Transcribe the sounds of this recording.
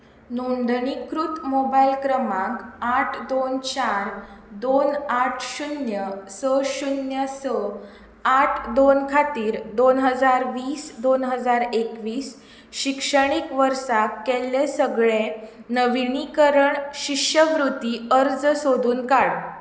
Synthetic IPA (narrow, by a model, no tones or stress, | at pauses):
nond̪ɳikɾut̪mobailkɾəmãŋkaʈʰd̪ont͡ɕaɾd̪onaʈʰɕunjəsəɕunjəsə | aʈʰd̪onkʰat̪iːɾd̪onɦəd͡zaɾʋiːsd̪onɦəd͡zaɾekʋiːs | ɕikʂəɽ̃ikʋəɾsakːɛlːesəɡɭenəʋiɳikəɾəɳɕikʂəʋɾut̪iːəɾd͡zsod̪ʱuːnkaɽ